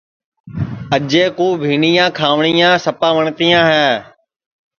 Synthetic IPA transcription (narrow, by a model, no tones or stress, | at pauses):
əʄeːkuːbʱiːɳijãːkʰaːʋɳiːjãːsəpãːʋəɳt̪ijãːɦɛː